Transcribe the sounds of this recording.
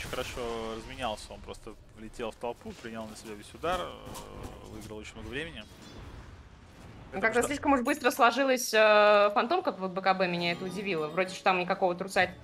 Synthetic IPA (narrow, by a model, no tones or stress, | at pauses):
ot͡ɕɪ̥nʲxəɾɐʂo̞rəzmʲɪnʲalˠsʲəonpɾo̞st̪ə | vlʲɪtʲelˠft̪ɐlˠpupɾʲɪnʲlˠnəsʲɪbʲavʲesʲʊd̪ar | vɨɡɾəlˠot͡ɕɪnʲmnoɡəvɾʲemʲɪnʲɪ | okkɐɡd̪asʲlʲiʂkəmʊʂbɨst̪ɾəslˠɐʐɨlˠəsʲəfɐnt̪o̞mkəvəd̪̚bəkɐbɛmʲɪnʲaɛt̪əʊdʲɪvʲilˠəvɾo̞dʲɪʂt̪ot̪amnʲɪkɐkovət̪ɾʊt̪sat̪